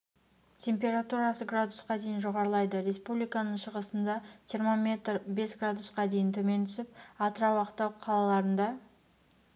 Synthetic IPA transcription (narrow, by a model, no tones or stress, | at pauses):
t̪ʲʰe̞mpʲe̞ɾat̪uɾasəɡrad̪usqɑd̪e̞jɪnʒoʁɑɾəlˠɑjd̪əɾe̞spublijkanəɴʃəʁəsənd̪ɑʒʰijɾmɑme̞t̪rbe̞sɡrad̪usqɑd̪e̞jɪnt̪ʰɵme̞nt̪ʰʏsɪp̚ɑt̪əɾɑwɑqt̪ɑwqʰɑlˠɑlˠɑɾənd̪ɑ